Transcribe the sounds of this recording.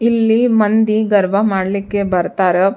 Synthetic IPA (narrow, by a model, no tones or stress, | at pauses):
ilːimɐnd̪iɡɐɾʋɐmaːɽlikːebɐɾt̪aːɾe